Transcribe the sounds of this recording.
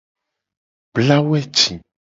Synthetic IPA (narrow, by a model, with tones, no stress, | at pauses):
bla˦wɛ˦t͡ʃĩ˨